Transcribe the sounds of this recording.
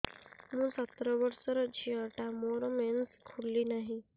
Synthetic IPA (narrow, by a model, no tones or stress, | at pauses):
mũːsət̪ɾəʋəɾsəɾəd͡ʑiəʈamoɾmenskʰulliːnaɦi